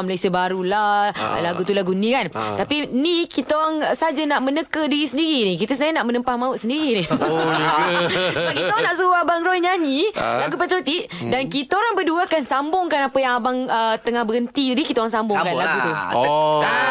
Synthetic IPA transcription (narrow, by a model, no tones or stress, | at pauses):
məlajsəbaɾulahlaɡut̪ulaɡunĩkant̪apinikit̪aoɾaŋsad͡ʒanaʔmənəkədiɾisəndiɾinikit̪əsənaɲanaʔmənəmpahmãʊt̪̚səndiɾini | səbap̚kit̪aoɾaŋnaʔsuuabaŋɾɔiɲaɲĩlaɡupət̪ɾut̪iʔ | dankit̪aoɾaŋbəduakansambʊŋkanapəjaŋabaŋət̪əŋahbəɡənt̪idikit̪aoɾaŋsambʊŋkanlaɡut̪ṵ | a